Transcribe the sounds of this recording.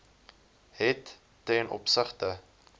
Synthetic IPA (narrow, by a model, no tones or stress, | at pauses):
ɦɛtː | ɛnʔɔ̰psəχtə